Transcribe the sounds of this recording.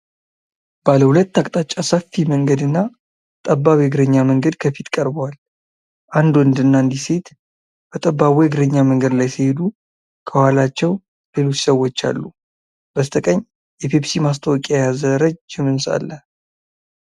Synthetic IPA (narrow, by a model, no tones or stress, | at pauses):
b̥aləhulət̪ːakʼt̪ʼat͡ʃʼːasəfːiməŋɡəd̪ɨnːa | t̪ʼəbːaβiɪɡɾəɲːaməŋɡəd̪kʰəfit̪kʼəɾbəwal | ʔand̪oɨnd̪ɨnːand̪ise̞t̪ | b̥ət̪ʼəbːaβiɪɡɾəɲːaməŋɡəd̪lajsɨhe̞d̪u | kʰəwalat͡ʃːɛw | lelot͡ʃsəwːot͡ʃːa̰lːu | b̥əst̪ʰəkʼəɲː | jɛpʰepsimas̬t̪ʰəwɔkʼajazəɾəd͡ʒd͡ʒɪmɨnsa̰lːə